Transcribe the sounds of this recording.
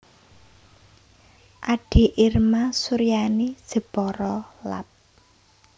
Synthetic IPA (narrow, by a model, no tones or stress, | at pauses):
ʔaɖ̥i̤ʔirmasuɾijani̥ʒ̥ə̤b̥ɔɾɔla̰p̚